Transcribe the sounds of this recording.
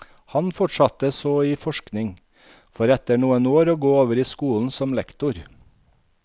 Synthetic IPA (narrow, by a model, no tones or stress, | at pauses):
hɑnfɔʈʃɑt̪əsoːiːfɔʃknɪŋ | fɔɾɛt̪əɳuːənoːɾoːɡoːoːʋəɾiːskuːln̩sɔmlɛ̰kt̪ʊɾ